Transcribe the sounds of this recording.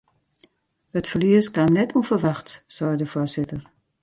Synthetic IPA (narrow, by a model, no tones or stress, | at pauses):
ətfəliəskamnɛtʰuəfərʋaxtsɔjdəfʊsɪtər